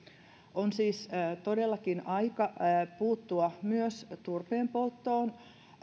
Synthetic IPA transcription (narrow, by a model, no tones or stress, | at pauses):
onsiːst̪odelːɑkinɑikɑpuːt̪ːuɑmyøst̪urpeːmpolt̪ːoːn